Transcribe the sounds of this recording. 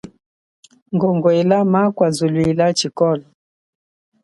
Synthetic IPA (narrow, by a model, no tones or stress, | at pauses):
ŋɡɔŋɡɔɛlamakwazuluilat͡ʃikɔlɔ